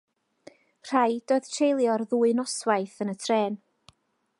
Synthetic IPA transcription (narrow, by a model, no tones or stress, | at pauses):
r̥ajd̥oːɨð̥tʰrejlˠjɔrðuːɨnɔswajθənətʰrɛːn